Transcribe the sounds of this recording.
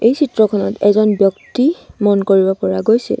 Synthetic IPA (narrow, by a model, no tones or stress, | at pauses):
ejsʰitɹɔkʰɔnɔtɛzɔnbjɔktimɔnkoɹibɔpɔɹaɡojsɛ̰